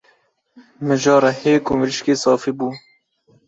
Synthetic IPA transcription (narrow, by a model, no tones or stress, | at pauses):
mɨʒɑːɾɛheːkumɾiʃkeːsɑːfibuː